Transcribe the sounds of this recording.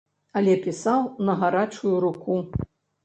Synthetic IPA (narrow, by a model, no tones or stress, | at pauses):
ɐlʲɛpʲisawnɐɣaɾat͡ʂujuɾuku